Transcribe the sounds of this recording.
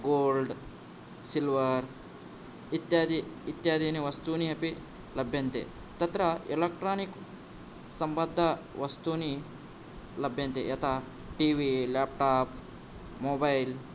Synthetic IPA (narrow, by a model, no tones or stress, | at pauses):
ɡoːlɖ | silʋɐɾ | it̪jaːd̪iːt̪jaːd̪ʱiniʋɐst̪uniɐpi | lɐbʱjɐnt̪ḛ | t̪ɐt̪ɾɐelekʈɾaːnik | sɐmbɐd̪ʱːɐʋɐst̪uni | lɐbʱjɐnt̪ḛjɐt̪ʰa | ʈiːʋilaːp̚ʈaːp | moːbail